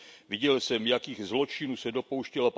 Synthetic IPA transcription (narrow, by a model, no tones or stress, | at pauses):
vɪɟɛlsɛmjakiːɣzlo̞t͡ʃɪnuːsɛdo̞po̞wʃcɛlap